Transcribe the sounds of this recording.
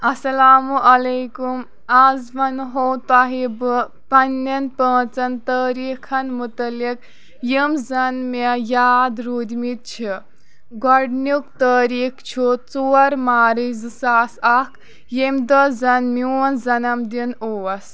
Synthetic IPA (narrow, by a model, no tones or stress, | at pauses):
ɐsɐlaːmuʔɐlejkum | azmɐnɦowt̪aɦibɨ | pɐnːɐnpə̃ːt͡sɐnt̪əːɾiːkʰɐnmut̪ɐlik̚ | jimzɐnmejaːd̪ɾuːd̪mit̪̚t͡ʃʰi | ɡɔɽnukt̪əːɾiːkʰt͡ʃʰut͡soɐɾmaːɾizsaːsakʰ | jemd̪ɐd͡zɐnminzɐnɐmd̪inoʋɐs